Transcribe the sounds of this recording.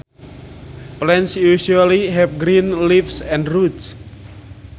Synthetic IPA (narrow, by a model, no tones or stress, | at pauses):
plɛnsjuʃualiɦɛpɡɾinlifsɛ̃nɾuts